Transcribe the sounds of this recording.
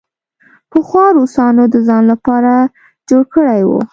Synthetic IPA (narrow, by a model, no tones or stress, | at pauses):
pəxwɑɾusɑnod̪əzɑnlapɑɾa | d͡ʒoɽkəɽajwṵ